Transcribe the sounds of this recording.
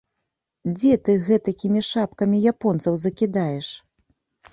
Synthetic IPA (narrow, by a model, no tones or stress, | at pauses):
d͡zʲɛt̪ɨɣɛt̪akʲimʲiʂapkɐmʲijapɔnt̪sɐwzɐkʲid̪ajɛʂ